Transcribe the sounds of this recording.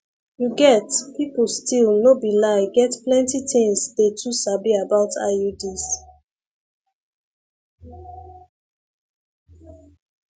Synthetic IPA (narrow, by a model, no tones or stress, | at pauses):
juɡɛtpiplstilnobilaɪɡɛtplɛ̃ntitʰɪ̃ŋsdetʰusabiabaʊtʰa̰judis